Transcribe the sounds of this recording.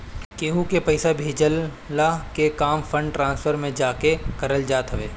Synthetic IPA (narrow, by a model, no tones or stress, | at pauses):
keːɦukepɐɪsabʱeːd͡ʒəlː | akekaːmfʰə̃ɳɖʈɾãːnsfʰəɾmẽd͡ʒaːkekɐɾəld͡ʒaːt̪ɦəʋeː